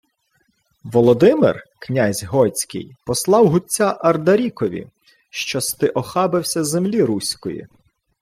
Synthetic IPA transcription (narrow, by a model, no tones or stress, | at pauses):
ʋɔlˠɔd̪ɪmɪ̰rknʲazʲɦɔjt͡sʲkɪ̰jpɔslˠɑwɦʊtt͡sʲːaʔɐrd̪ɐɾʲikɔʋʲḭ | ʃt͡ʃɔst̪ɪʔɔxɑbewsʲɐzemlʲiɾusʲkɔ̰jḭ